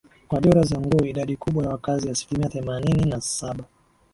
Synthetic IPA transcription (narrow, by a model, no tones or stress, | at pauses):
kwaɗɔɾazaŋɡuːiɗaɗikuɓwajawakaziasi̥limiaθɛmanininasaɓa